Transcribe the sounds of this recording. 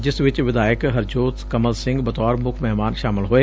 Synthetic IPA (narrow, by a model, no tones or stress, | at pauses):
d͡ʒɪsʋɪt͡ʃʋɪd̪aːɪkɦəɾd͡ʒoːt̪kəməlsɪ̃ŋɡbɐt̪ɔːɾmʊkʰmɛɦmaːnʃaːmɪlɦoeː